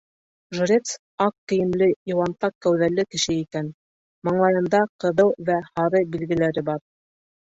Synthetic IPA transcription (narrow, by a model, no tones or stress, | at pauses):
ʒuɾʲet̪s | ɑqːɘ̆jɘ̆mlɘjŏwɑnt̪ɑqːæwðælːɘkɘ̆ʃɘikæn | mɤ̆ɴlˠɑjɤ̆nd̪ɑqɤ̆ðɤwvæhɑɾɤbilɡɘ̆læɾɘbɑɾ